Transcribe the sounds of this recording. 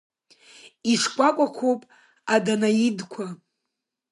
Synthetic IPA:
iʂkʷʼakʷʼakʷʰowpʼ | adanajidkʷʰa

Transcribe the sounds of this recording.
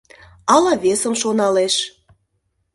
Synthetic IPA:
ɑlɑβesəmʃonɑleʃ

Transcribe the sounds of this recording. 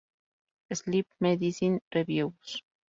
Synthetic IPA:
eslip̚meðisinreβjews

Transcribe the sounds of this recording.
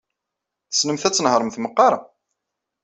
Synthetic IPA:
θə̥snəmθæt͡sːənhɾˤəmθməqːɑɾˤɑ

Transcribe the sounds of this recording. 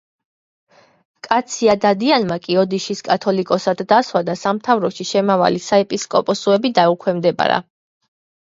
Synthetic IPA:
kʼat̪sʰiad̪ad̪ianmakʼiɔd̪iʃiskʼat̪ʰɔlikʼɔsad̪ːaswad̪asamt̪ʰavɾɔʃiʃɛmava̰lisaɛpʼiskʼɔpʼɔsuɛbid̪aukʰwɛmd̪ɛba̰ɾa̰

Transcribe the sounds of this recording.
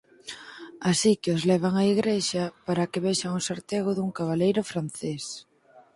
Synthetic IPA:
asikɪozlɛβ̞aŋaiɣɾeʃɐpaɾakɪβeʃaŋusaɾt̪eɣoðuŋkaβ̞alejɾʊfɾanθes

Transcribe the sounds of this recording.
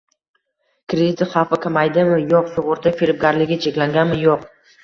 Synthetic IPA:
kʲɾed̪ɪt̪ʰɪχɑwfɪkʲʰamajd̪ɪmɪjoqsʊʁʊɾt̪ʰafeɾɪp̚ɡʲaɾlɪɡʲɪt͡ʃʰekʲlaŋɡʲanmɪjoq

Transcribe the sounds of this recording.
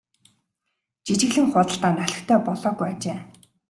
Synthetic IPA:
t͡ɕit͡ɕɪ̆ɣɮɘ̆ŋχʊːt̪ə̆ɬt̪aːnœɮʲɪ̆xt̪ʰœːpɔɮɔːɣujat͡ɕeː

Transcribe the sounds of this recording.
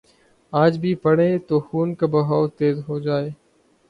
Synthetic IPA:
aːd͡ʒbʱiːpəɽẽːt̪oːxuːnkaːbəɦaːt̪eːzɦoːd͡ʒaːeː

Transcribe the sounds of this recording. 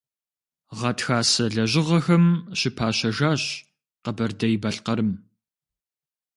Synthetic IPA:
ʁɐtxaːsɐɮɐʑɪʁɐxɐmɕɪpʰaːɕɐʒaːɕ | qɐbɐrdɐjɪbɐɬqɐɾɨm

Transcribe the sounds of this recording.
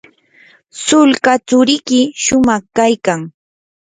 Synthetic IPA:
sʊlkat͡sʊɾɪkɪʃʊmɑχkajkaŋ

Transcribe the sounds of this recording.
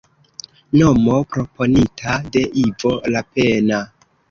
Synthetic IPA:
nomo̞pɾo̞po̞nitʰade̞ʔivo̞lapena

